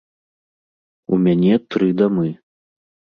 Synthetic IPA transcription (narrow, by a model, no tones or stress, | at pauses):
ṵmʲanʲɛt̪ɾɨd̪amɨ